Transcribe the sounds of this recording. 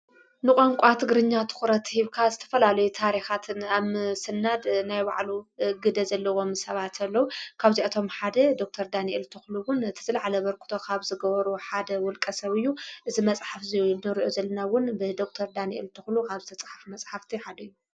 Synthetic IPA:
nɨkʼoŋkʷʼat̪ʰɨɡɾɨɲːat̪ʰɨ̥xuɾɐt̪ʰhiβkʰazɨt̪ʰɐ̥fɐlalɐjut̪ʰaɾixat̪ʰɨnasɨnːad̪najba̰ʕluɡɨd̪ɐzɐlːɐwo̞msɐβat̪ʰɐlːɐwukʰaβziat̪ʰo̞mħad̪ɐd̪ok̚t̪ʰɐɾd̪aniʔelt̪ʰɨxluwʊnɨt̪ʰɨ̥zɨlʕalɐβɐɾkʰu̥t̪ʰokʰaβzɨɡɐβɐɾuħad̪ɐwɔlkʼɐsɐβɨjːuʔɨzimɐt͡sʼħafzɨlnɨɾiʔozɐlːɐnawʊnbɨd̪o̞k̚t̪ʰɐɾd̪aniʔḛlt̪ʰɨxlukʰaβzɨt̪ʰɐt͡sʼħafmɐt͡sʼħaft̪ʰiħad̪ɐjːu

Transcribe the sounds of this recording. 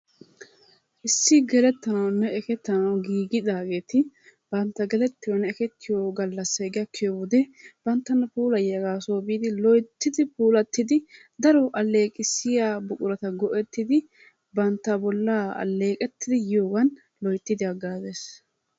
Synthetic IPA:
ʔɪsːɪɡɛlɛt̪ːɐnɐwnɛɛkɛt̪ːɐnɐwɡiːɡɪd̪aːɡe̞ːt̪ɪb̥ɐnt̪ːɐɡɛlɛt̪ːɪjɔnɛːkɛt̪ːɪjoɡɐlːɐsːeɡɪjɐkʰːjɔwɔd̪ɛb̥ɐnt̪ːɐnːɐpuːlɐjɐɡaːsoːbiːd̪ɪlɔjt̪ːɪd̪ɪpuːlɐt̪ːɪd̪ɪ | d̪ɐɾɔʔɐlːe̞ːkʼɪsːɪjaːbʊkʼʊɾɐt̪ɐɡɔʔɛt̪ːɪd̪ɪ | bɐnt̪ːɐbɔlːaɐ̰lːe̞ːkʼɛt̪ːɪd̪ɪjjoːɡɐn | lɔjt̪ːɪd̪ɪɐɡːaːzeːs

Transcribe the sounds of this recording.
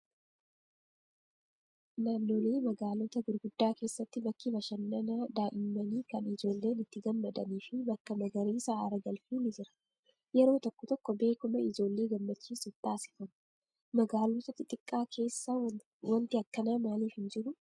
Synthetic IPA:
naːnːo̞ːle̞ːmɐɡaːlɔt̪ɐɡʊɾɡʊd̪ːaːke̞ːsːɐt̪ːɪbɐkːɪbɐʃɐnːɐnɐd̪aːʔɪmːɐniːkɐnɪd͡ʒo̞ːlːe̞ːnɪt̪ːɪɡɐmːɐd̪ɐ̰niːfɪbɐkːɐmɐɡɐɾiːsɐʔaːɾɐɡɐlfuːnɪd͡ʒɪɾɐ̥ | jɛɾo̞ːt̪ɔkːɔt̪ɔkːɔbe̞ːkʊmɐɪd͡ʒo̞ːlːe̞ːɡɐmːɐt͡ʃːiːsɪt̪aːsɪ̥fɐmʊ̥ | mɐɡaːlɔt̪ɐt̪ɪt̪ʼɪkʼːaːkʰe̞ːsːa | wɐnt̪ɪɐkːɐnamaːliːfhɪnd͡ʒɪɾʊ

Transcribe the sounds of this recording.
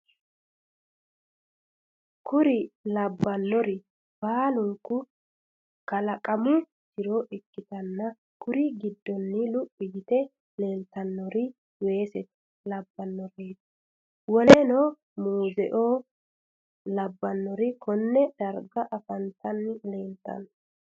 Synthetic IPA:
kʊɾɪlɐbːɐnːɔɾɪ | b̥aːlʊŋkːʊ | kɐlɐkʼɐmʊ | t͡ʃɪɾoːʔɪkːɪt̪ɐnːɐ | kʊɾɪɡɪd̪ːɔnːɪlʊpʼːɪɡɪt̪ɛ | le̞ːnt̪ɐnːɔɾɪ | we̞ːsɛt̪ɛ̥ | lɐbːɐnːɔɾeːt̪ | wɔlenoː | muːzɛ̰ʔoː | lɐbːɐnːɔɾɪkʰɔnːɛd̪̥ɐɾɡɐʔɐfɐnt̪ɐnːɪle̞ːnt̪ːɐ̰n

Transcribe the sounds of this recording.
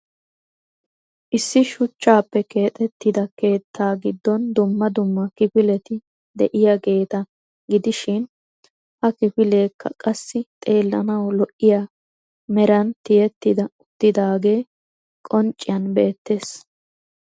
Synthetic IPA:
ʔɪsːɪʃʊt͡ʃːaːpːɛke̞ːt̪ʼɛt̪ːɪd̪ɐke̞ːt̪ʰːaːɡɪd̪ːɔnd̪ʊmːɐd̪ʊmːɐkɪpɪlɛt̪ɪ | d̪ɛ̰ʔɪjaɡe̞ːt̪ɐ | ɡɪd̪ɪʃɪn | hɐkɪpɪle̞ːkʰːɐ̰kʼɐsːɪt̪ʼe̞ːlːɐnɐwlɔʔːɪjaː | mɛɾɐnt̪ɪjɛt̪ːɪd̪ɐʊt̪ːɪd̪aːɡe̞ː | kʼɔnt͡ʃʼːɪjɐnbe̞ːt̪ːe̞ːs

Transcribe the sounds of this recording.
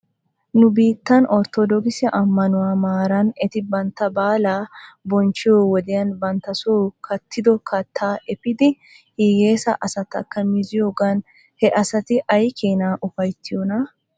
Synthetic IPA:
nʊbiːt̪ːɐnɔɾt̪ɔd̪ɔkɪsɪʔɐmːɐnʊwaːmaːɾɐnɛt̪ɪbɐnt̪ɐbaːlaːbɔnt͡ʃɪoːwɔd̪ɪjɐnbɐnt̪ɐsoːkʰɐt̪ːɪd̪ɔkɐt̪ʰːaːʔɛpɪd̪ɪ | hiɡeːsɐʔɐsɐt̪ɐ̰kːɐmɪzɪjoːɡɐn | hɛʔɐsɐt̪ɪʔɐjkʰeːnaːʔʊfɐjt̪ːɪjɔnɐ

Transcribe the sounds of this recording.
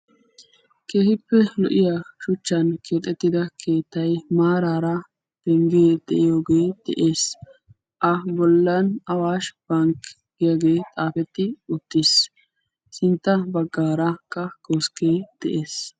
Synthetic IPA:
ke̞ːhɪpːɛlɔʔɪjaʃʊt͡ʃːɐnkʰe̞ːt̪ʼːɛt̪ːɪd̪ɐkʰe̞ːt̪ːɐjmaːɾaːɾɐ | d̪̥ɛŋɡeːd̪̥ɛ̰ʔɪjoːɡeːd̪̥ɛʔe̞ːs | ʔɐbɔlːɐnɐwaːʃb̥ɐŋk | ɡɪjɐɡe̞ːt̪ʼaːfɛt̪ːɪʊt̪ːes | sɪnt̪ːɐbɐɡːaːɾɐkːɐkoskeːd̪̥ɛʔeːs

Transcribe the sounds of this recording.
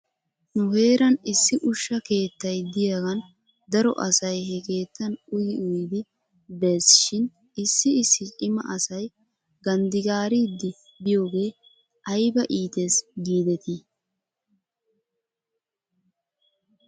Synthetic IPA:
nʊhe̞ːɾɐnɪsːɪʔʊʃːɐke̞ːt̪ːɐjd̪ɪjaɡɐn | d̪ɐɾɔ̰ʔɐsɐjhɛke̞ːt̪ːɐnʊjɪʊjd̪ɪ | beːsʃɪn | ɪsːɪɪsːɪt͡ʃʼɪmɐ̰ʔɐsɐj | ɡɐnd̪ɪɡaːɾid̪ːɪ | bɪjo̞ːɡe̞ː | ʔɐjbɐʔiːt̪eːsɡiːd̪ɛt̪i

